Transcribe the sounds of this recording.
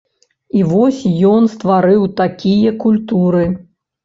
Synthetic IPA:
ivɔsʲjɔnst̪vaɾɨwt̪akʲijɐkulʲt̪uɾɨ

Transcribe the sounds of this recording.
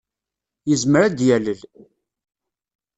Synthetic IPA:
jəzməɾæd̪jæləl

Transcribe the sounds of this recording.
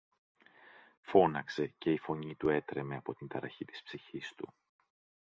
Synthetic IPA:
fo̞nɐkse̞ce̞ifo̞ɲit̪ue̞t̪ɾe̞me̞ɐpo̞t̪int̪ɐɾɐ̰çit̪i̥spsiçist̪u

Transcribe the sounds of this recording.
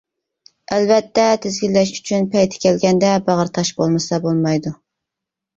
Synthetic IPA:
ælvɛt̪ʰːɛt̪ʰɪzɡʲilːɛʃyt͡ʃʰynpʰɛjt̪ʰɪ̥kʲʰɛlɡʲɛnd̪ɛbɑʁəɾt̪ʰɑʃbolˠmɨsɑbolˠmɑjd̪u

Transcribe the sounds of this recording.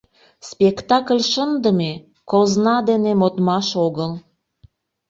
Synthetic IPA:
spekt̪ɑklʲʃənd̪əme | koznɑd̪enemot̪mɑʃoɣəl

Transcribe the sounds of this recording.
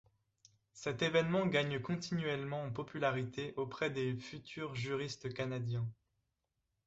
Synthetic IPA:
sɛt̪evɛnmɑ̃ɡaɲkɔ̃t̪inɥɛlmɑ̃ːpɔpylaʁit̪ʰeʔopχɛd̪efyt̪ʰyʁʒyʁist̪kanad̪jɛ̃

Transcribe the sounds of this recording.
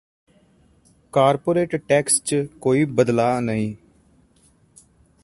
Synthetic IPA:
kaːɾpoːɾeːʈʈɛːkst͡ʃkoːiːbəd̪laːnəĩː

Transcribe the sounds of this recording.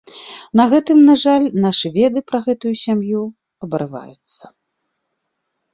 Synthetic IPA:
nɐɣɛt̪ɨmnaʐalʲnaʂɨvʲɛd̪ɨpɾɐɣɛt̪ujusʲamju | ɐbɐɾɨva̰jut̪sːɐ̥

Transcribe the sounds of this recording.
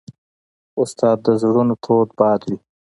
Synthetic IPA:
ʊst̪ɑːd̪ːəzɽunot̪ʰoːd̪bɑːd̪wi

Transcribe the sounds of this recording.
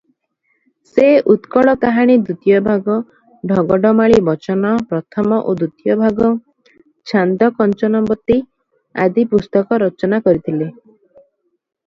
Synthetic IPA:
seut̪kɔɭɔkaɦaɽ̃id̪ut̪ijɔbʱaɡɔ | ɖʱɔɡɔɖɔmaɭibɔt͡ʃɔnɔpɾɔt̪ʰɔmɔʔod̪ut̪ijɔbʱaɡɔ | t͡ʃʰand̪ɔkɔnt͡ʃɔnɔbɔt̪ːi | a̰d̪ipust̪ɔkɔɾɔt͡ʃɔnakɔɾit̪ʰile

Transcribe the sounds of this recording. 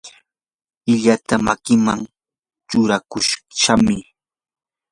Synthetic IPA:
ɪʎat̪amakɪmaŋ | t͡ʃʊɾakʊʃʃamɪ

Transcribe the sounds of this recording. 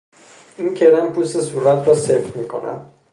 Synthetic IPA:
incʰeɾæmpʰust̪esuːɾæt̪ʰɾɒːsefɾmiːkʰo̞̰næ̰d̪̥

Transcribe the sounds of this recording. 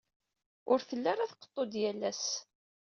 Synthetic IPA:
ʊɾθəlːaɾaθqə̥t̪ˤːod̪jælːæs

